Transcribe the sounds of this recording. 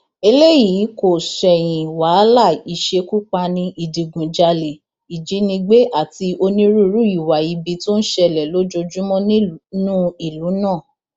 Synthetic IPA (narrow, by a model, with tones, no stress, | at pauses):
e˧le˦jiː˨˦ko˨sɛ˨j̃ĩ˨wa˨˦la˦˨i˨ʃe˧ku˦k͡pa˧nĩ˧ʔi˨di˨ɡũ˨d͡ʒa˧le˨ | i˨d͡ʒi˨˦nĩ˧ɡ͡be˦ʔa˦˨ti˧o˧nĩ˦ɾu˦ɾu˦i˨wa˨i˨˧bi˧to˦n̩˦ʃɛ˧˨lɛ˨lo˦d͡ʒo˧d͡ʒu˦mɔ̃˦nũ˦i˦˨lu˨˦nãː˦˨